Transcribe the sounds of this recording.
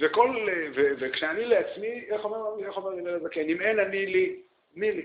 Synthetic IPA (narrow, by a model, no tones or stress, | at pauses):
vekolevevekʃeanileat͡smieχomeʁaieχomeʁlilelazakenimenanili | nili